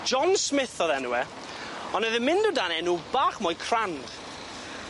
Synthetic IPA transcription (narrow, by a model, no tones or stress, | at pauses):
ʒ̥ɔnsmɪθɔðɛnuwɛ | ɔnəðɪmɪndʊdanɛnuːbaːχmɔjkʰr̥and̥